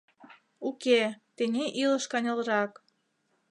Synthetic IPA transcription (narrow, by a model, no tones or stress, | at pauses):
uket̪enʲeʔilə̆ʃkɑnʲɤ̆lɾɑk